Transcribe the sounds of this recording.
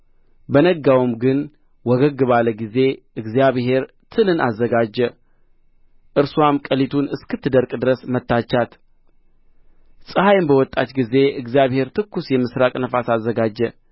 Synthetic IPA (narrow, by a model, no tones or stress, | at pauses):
bənəɡːawɨmɡɨn | wɔɡəɡːɨβaləɡize̞ | ɨɡzijaβhe̞ɾ | t̪ʰɨlɨna̰zːəɡad͡ʒːə | ʔɨɾsuamkʼəlit̪ʰunɨskɨt̪ʰːɨd̪əɾkʼd̪ɨɾəsmət̪ːat͡ʃːat̪ | sʼɨhajmbəwɔt̪ʼːat̪ɡize̞ɨɡzijaβhe̞ɾt̪ʰɨkːusjɛmɨsɾakʼnəfasazːəɡad͡ʒːə